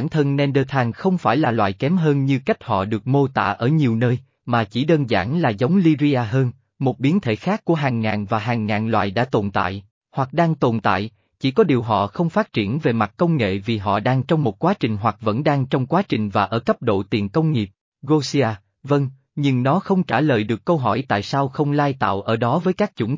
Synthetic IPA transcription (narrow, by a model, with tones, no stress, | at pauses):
aː˧˩nt̪ʰə˧nnɛ˧nɗəː˧t̪ʰaː˧nxə˧wŋ͡mfaː˧˩jlaː˨˩lwa̰ː˧˨jkɛ˨˦mɦəː˧nɲɨ˧ka˦˥jk̟̚hɔ̰˧˨ɗɨ˨˩ək̚mo˧t̪a̰ː˧˨ʔəː˧˩ɲi˨˩əwnəː˧j | maː˨˩t͡ɕi˧˩ɗəː˧nza̰ː˧˩nlaː˨˩zə˨˦wŋ͡mli˧zi˧aː˧ɦəː˧n | mo˨˩t̚ɓi˨˦ənt̪ʰe˧˩xaː˦˥kːu˧˩əɦaː˨˩ŋːaː˨˩nvaː˨˩ɦaː˨˩ŋːaː˨˩nlwa̰ː˧˨jɗa̰ː˧˥t̪o˨˩nt̪a̰ː˧˨j | hwa˨˩k̚ɗaː˧ŋt̪o˨˩nt̪a̰ː˧˨j | t͡ɕi˧˩kɔ˨˦ɗi˨˩əwɦɔ̰˧˨xə˧wŋ͡mfaː˦˥t̚t͡ɕi˧˩ənve˨˩ma˨˩t̚kə˧wŋ͡mŋḛ˧˨vi˨˩ɦɔ̰˧˨ɗaː˧ŋt͡ɕɔ˧wŋ͡mmo˨˩t̚kwaː˨˦t͡ɕï˨˩ŋ̟ɦwa˨˩k̚və̰˧˥nɗaː˧ŋt͡ɕɔ˧wŋ͡mkwaː˨˦t͡ɕï˨˩ŋ̟vaː˨˩ʔəː˧˩kə˦˥p̚ɗo̰˧˨t̪i˨˩ənkə˧wŋ͡mŋi˨˩əp̚ | ɣo˧si˧aː˧ | və˧ŋ | ɲɨ˧ŋnɔ˨˦xə˧wŋ͡mt͡ɕaː˧˩lə̰ː˧˨jɗɨ˨˩əkːə˧wɦɔ˧˩jt̪a̰ː˧˨jsaː˧wxə˧wŋ͡mlaː˧jt̪a̰ː˧˨wʔəː˧˩ɗɔ˨˦vəː˨˦jkaː˦˥k̚t͡ɕʊ̰˧˩˦n